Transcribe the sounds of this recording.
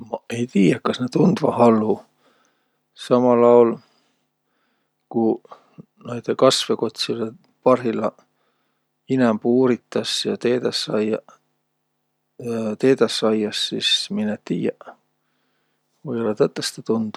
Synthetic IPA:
mɑe̞jt̪iːjækɑsnet̪und̪̥vɑhɑlːu | sɑmɑlɑol | ku | nojt̪ekɑsveko̞t̪ʲsile | pɑrɦilɑ | inæmpuːɾit̪ːˑɑsjɑt̪eːd̪ɑsɑjɑ | t̪eːd̪ɑsːɑjːɑsːisminett̪iːjæʔ | vojolet̪ət̪ːˑest̪et̪und̪̥

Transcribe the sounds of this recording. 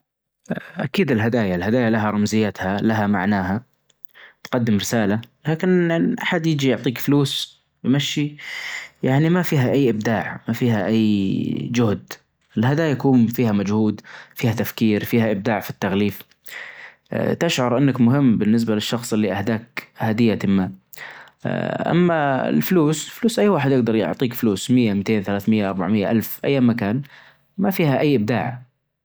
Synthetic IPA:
ʔa̰kiːd̪ɪlɦad̪aːjaɪlhad̪aːjalaɦaɾˤɑmzɪjːat̪halaɦama̰ʕnaːɦa | t̪qɑd̪ːɪmɾɪsaːlalaːkɪnʔaħad̪jɪd͡ʒijʊʕt̪ˤiːkfluːs | wmaʃːi | jaʕnimafiːɦaʔajːʔɪb̚d̪aːʕmafiːɦaʔajːd͡ʒʊhd̪ | ɪlhad̪aːjajakuːmfiːhamad͡ʒhuːd̪fiːhat̪afkiːɾfiːhaʔɪb̚d̪aːʕfit̪ːaɣliːf | t̪ɪʃʕɑɾˤʔɪnːakmʊɦɪmːbɪnːɪs̬balɪʃːɑxsˤɪlːiʔahd̪aːkhad̪ɪjːat̪ɪmːa | ʔa̰mːaɪ̰lfluːsɪlfluːsʔajːwaːħɪd̪jɪɡ̚d̪ɑɾˤjʊ̰ʕt̪ˤiːkfluːsmɪjːamt̪eːnθalaːθmɪjːaʔɑɾˤba̰ʕmɪjːa̰ʔalfʔajːaːmːakaːn | mafiːhaʔajːʔɪb̚d̪a̰ːʕ

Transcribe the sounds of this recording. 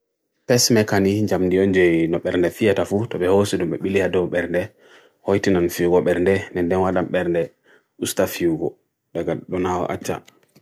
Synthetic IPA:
pɛsmɛkaniɲd͡ʒamdiɔnd͡ʒɔjnɔɓɛɾndɛfijatafutɔɓɛhosiɗumɓɛɓilihadɔwɓɛɾndɛ | hojtinanfiwɡɔɓɛɾndɛnɛndɛnwaɗamɓɛɾndɛ | ustafiuɡɔ | ɗaɡaɗɔnaw̰ʔa̰t͡ʃːa̰

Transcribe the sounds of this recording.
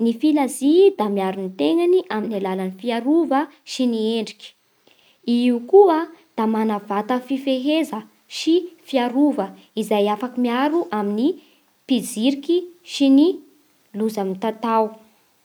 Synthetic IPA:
nifilazid̪amiaɾunit̪eŋaniʔaminalalanifiaɾuvəʃinieɳɖ͡ʐi̥kʲi̥ | iukuəd̪̥amanavat̪əfifeɦezə | ʃifiaɾuvə | izajafakimiaɾuʔamini | pid͡ziɾikiʃini | luzamit̪at̪aw

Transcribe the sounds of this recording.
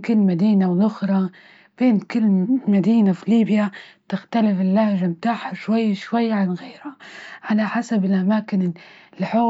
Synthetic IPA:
kɪlːmad̪iːnawlʔʊxɾˤɑ | b̥eːnkɪlːmad̪iːnafiliːbjat̪ɪxt̪alɪfɪlːahʒamt̪aːħaʃwajːʃwajːʕanɣeːɾhaʕalaħasabɪlʔamaːkɪnɪlħoː

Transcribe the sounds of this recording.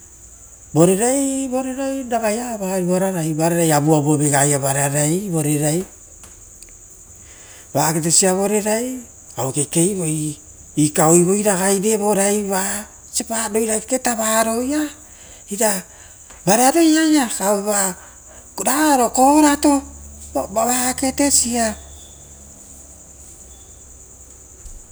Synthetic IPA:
bo̞ɾe̞ɾajbo̞ɾeɾajdaɡajaβaɾiboɾaɾajbaɾeɾajabuabobeɡajaβaɾeaɾajbo̞ɾe̞ɾaj | βaket̬esiaβo̞ɾe̞ɾaj | awkeke̞jβo̞j | ikaojβo̞jɾaɡajde̞bo̞ɾajβa | sepaɾo̞jɾaketaβaɾo̞ja | iɾa | baɾaɾo̞jajakaeβa | ɾaɾo̞koɾato̞ | baβake̞te̞sia

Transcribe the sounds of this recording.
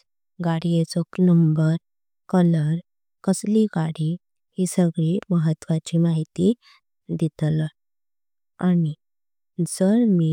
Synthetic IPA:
ɡaɽiet͡soknəmbəɾ | kələɾ | kəsliɡaɽi | hisəɡɭiməɦət̪ːʋat͡ɕimaɦit̪i | d̪it̪l | ani | d͡zəɾmi

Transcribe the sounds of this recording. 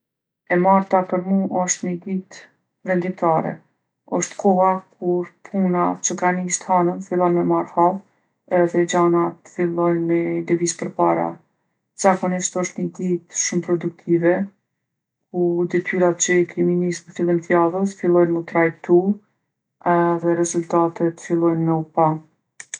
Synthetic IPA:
ɛmaɾt̪apəɾmuʔɔʃt̪ɲəɡ̪it̪ | vɛnd̪imt̪aɾɛ̰ | ɔʃt̪kʰɔak̚ʰuɾpʰunat͡ʃəkanist̪hanənfilˠɔnmɛmaɾhal | ɛɛθɛd͡ʑanat̪ə̥filˠɔjnmɛlɛvizpəɾpaɾa̰ | z̥akɔniʃt̪ɔʃt̪ɲəd̪it̪ʃumpɾɔd̪uk̚t̪ʰivɛ | kud̪ɛt̪yɾat̪̚t͡ʃəikɾiminizmfilˠinθjaðət̪əfilˠɔjnmət̪ɾajt̪u | ɛðɛɾɛzult̪at̪ɛt̪ːə̥filˠɔjnmɛupa

